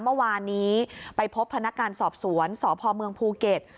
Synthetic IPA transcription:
mɯ˥˩waː˧nːiː˦˥pa˧jpʰo˦˥pʰːa˧na˦˥kːŋaː˧nsɔː˨˩p̚su˩˦ənsɔː˩˦pʰɔː˧mɯ˧əŋpʰuː˧ke˨˩t̪̚

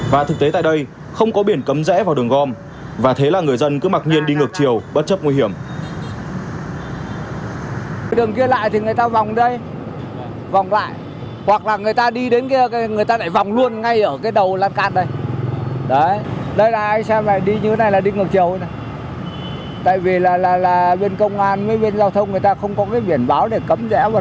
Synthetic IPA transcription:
vaː˨˩t̪ʰɨ˨˩k̚t̪e˨˦t̪a̰ː˧˨jɗə˧j | xə˧wŋ͡mkɔ˨˦ɓi˧˩ənkə˨˦mzɛ̰˧˥vaː˨wɗɨ˨˩əŋɣɔ˧m | vaː˨˩t̪ʰe˨˦laː˨˩ŋɨ˨˩əjzə˧nkɨ˨˦maː˨˩t̚ɲi˧ənɗi˧ŋɨ˨˩ək̚t͡ɕi˨˩əwɓə˦˥t̚t͡ɕə˦˥p̚ŋwi˧ɦi˧˩əm˧˩ | ɗɨ˨˩əŋki˧əla̰ː˧˨jt̪ʰi˨˩ŋɨ˨˩əjt̪aː˧va˨˩wŋ͡mɗə˧j | va˨˩wŋ͡mla̰ː˧˨jʔ | hwa˨˩k̚laː˨˩ŋɨ˨˩əjt̪aː˧ɗi˧ɗe˨˦nkaː˨˦˨ŋɨ˨˩əjt̪aː˧ɗaː˧˩jva˨˩wŋ͡mlu˧ənŋa˧jʔəː˧˩kaː˨˦jɗə˨˩wlaː˧nkaː˧nɗə˧j | ɗə˨˦ɗə˧jlaː˨˩ʔa˧jŋ̟sɛ˧maː˨˩ɗi˧ɲɨ˧˨˦na˨˩jlaː˨˩ɗi˧ŋɨ˨˩ək̚t͡ɕi˨˩əwʔjnə˨˦ | t̪a̰ː˧˨jvi˨˩laː˨˩laː˨˩laː˨˩ɓe˧nkə˧wŋ͡mʔaː˧nmə˨˦jɓe˧nzaː˧wt̪ʰə˧wŋ͡mŋɨ˨˩əjt̪aː˧xə˧wŋ͡mkɔ˨˦kaː˨˦jɓi˧˩ənɓaː˨˦wɗe˧˩kə˨˦mzɛ̰˧˥vaː˨˩

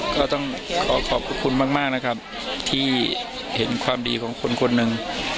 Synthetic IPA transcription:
kɔː˥˩t̪ɔ˥˩ŋkʰɔː˩˦kʰɔː˨˩p̚ʰːa˧˥kʰu˧nmaː˥˩k̚maː˥˩k̚na˦˥kʰa˦˥p̚ | t̪ʰiː˥˩ | he˩˦nkʰwaː˧mdiː˧kʰɔː˩˦ŋkʰo˧nkʰo˧nːɯ˨˧ŋ

